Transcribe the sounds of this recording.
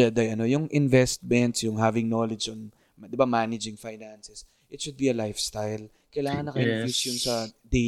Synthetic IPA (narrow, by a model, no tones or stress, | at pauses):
ad̪ɐjʔɐno̞jʊŋʔɪnvɛst̪̚mɛnt̪sjʊŋɦavɪŋnolɛd͡ʒon | d̪ɪbamanɪd͡ʒɪŋfajnansɛs | ʔɪt̪ʃʊd̪̚biɐlajfst̪ajl | kɐjlaːŋɐnːɐkɐɪnfisjonsɐd̪ɛ